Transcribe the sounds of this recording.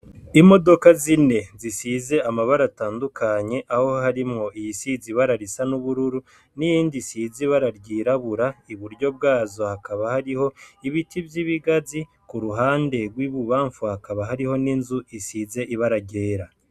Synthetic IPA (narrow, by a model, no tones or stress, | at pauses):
imo̞do̞kazine̞zisize̞amaβaɾataːndukaɲe̞ʔaho̞haɾimŋo̞ʔijisiziβaɾaɾisanuβuɾuɾu | nijiːndisiziβaɾaɾɟiːɾaβuɾaiβuɾɟo̞b̚ɡaːzo̞hakaβahaɾiho̞iβitibjiβiɡazi | kuɾuɦaːnde̞ɡwiːβuβaːɱfuhakaβaɦaɾiho̞ninzuisiːze̞ʔiβaɾaɟe̞ːɾa